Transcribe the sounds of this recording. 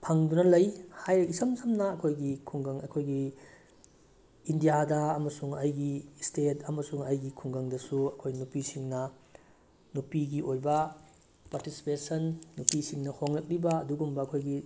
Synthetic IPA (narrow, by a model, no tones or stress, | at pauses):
pʰɐŋdunɐlɐjhajɐisɐmsɐmnɐːkʰojɡikʰuŋɡɐŋɐkʰojɡi | indijadɐɐmɐsuŋɐjɡistetʰɐmɐsuŋɐjɡikʰuŋɡɐŋdɐsuɐkʰojnupisiŋnɐ | nupiɡiojbɐ | paɾtisi̥pesɐnːupisiŋnɐhoŋlɐk̚libɐːduɡumbɐɐkʰojɡi